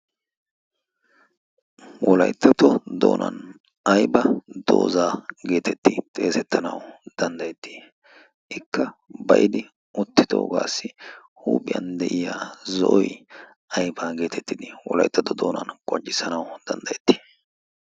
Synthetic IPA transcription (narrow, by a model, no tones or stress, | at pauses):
wʔɔlɐ̰jt̪ːɐt̪ɔd̪o̰ːnʔɐ̰n | ɐjbɐd̪̥o̰ːzaːɡe̞ːt̪ʰɛt̪ːɪt̪ʼe̞ːsɛt̪ːɐnɐwd̪̥ɐnd̪ɐjɛt̪ːi̥ | ʔɪkːɐbɐʔɪd̪ɪ | ʊt̪ːɪd̪oːɡaːsːɪ | huːpʼɪjɐ̰nd̪ɛʔɪjaːzɔʔɔj | ɐjbaːɡe̞ːt̪ʰɛt̪ːɪd̪ɪwɔlɐ̰jt̪ːɐt̪ɔd̪oːnɐ̰nkʼɔnt͡ʃʼːɪsɐnɐwd̪̥ɐnd̪ɐjɛt̪ːi̥ː